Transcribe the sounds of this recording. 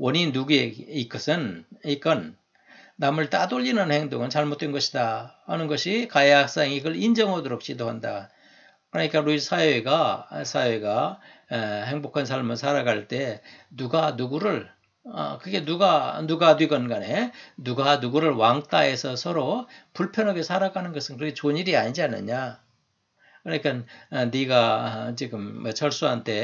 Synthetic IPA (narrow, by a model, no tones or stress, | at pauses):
wʌninuɡeik͈ʌsʰɯnik͈ʌnː | amɯɭt͈adoʎːinɯnhe̞ŋdoŋɯnt͡ɕaɭmot̚t͈enɡʌɕʰidahanɯnɡʌɕʰikajehak̚s͈aŋiɡɯɭind͡ʑʌŋɦʌdʌɾok̚ɕʰidoɦanda | kɯɾʌɲik͈aɾuisʰajeɡasʰajeɡa | he̞ŋbokʰans̬ʰaɭmɯɭsʰaɾaɡaɭt͈e̞nuɡanuɡuɾɯɭ | ʌ̰kɯɡe̞nuɡanuɡatwiɡʌnɡanenuɡanuɡuɾɯɭwaŋt͈ae̞sʰʌsʰʌɾopuɭpʰjʌnɦaɡesʰaɾaɡʰanɯnɡʌsʰɯnkɯɾʌket͡ɕoɲiɾiaɲid͡ʑianɯ̰ɲa | kɯɾʌɲikʰanniɡat͡ɕiɡɯmːʌt͡ɕʰʌɭs͈uɦantʰe̞